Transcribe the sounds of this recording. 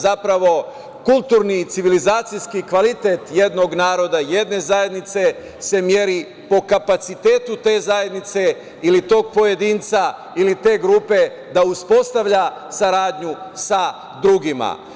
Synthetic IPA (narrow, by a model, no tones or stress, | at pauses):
zapɾaʋo̞ | kulˠt̪uːɾnit̪siʋilizaːt̪sijskikʋalit̪e̞t̪je̞d̪no̞ɡnaːɾo̞d̪aje̞d̪ne̞zaje̞d̪nit̪se̞ | se̞mje̞ɾi | po̞kapat̪sit̪e̞ːt̪ut̪e̞ːzaje̞d̪nit̪se̞ | ilit̪o̞ːɡ̚po̞je̞d̪iːnt̪sa | ilit̪e̞ːɡɾuːpe̞ | d̪auspo̞st̪aʋʎa | saɾaːd̪ɲusa | d̪ɾuɡima̰